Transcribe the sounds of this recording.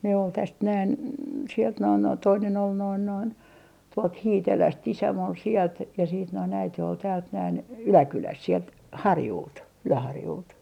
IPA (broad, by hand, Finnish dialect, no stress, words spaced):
ne ol tæst næin sielt noin noin toinen ol noin noin tuolt hiːtelæst isæm ol sielt jɑ siːt noin æite ol tæːlt næin ylækylæst sielt hɑrjult ylæhɑrjult